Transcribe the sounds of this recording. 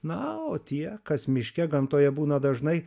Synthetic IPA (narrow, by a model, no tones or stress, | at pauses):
nɐoːt̪ʲiɛkɐsmʲɪʃʲkʲɛɡɐmt̪oːjɛbuːnɐd̪ɐʒnɐɪ